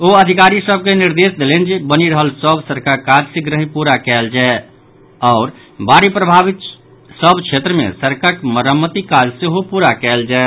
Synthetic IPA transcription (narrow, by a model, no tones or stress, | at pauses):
oəd̪ʱɪkaːɾisəb̚kenɪɾd̪eːsd̪elend͡ʒbəniɾəɦəlsəbsəɾkaɾkaːd͡ʒsẽɡɾəɦĩpuːɾakɛːld͡ʒaɛ | ɔːɾ | baːɾipɾəbʱaːʋɪt̪ | səbt͡ʃʰeːt̪ɾəmḛ̃səɾkakməɾəmːət̪ikaːd͡ʒseɦopuːɾakɛːld͡ʒaɛ